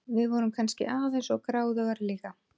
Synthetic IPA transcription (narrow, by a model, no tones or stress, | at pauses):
vɪðvɔɾʏmkʰanscɪ̰ʔaːðensɔɣkɾaːwðaɣaɾliːka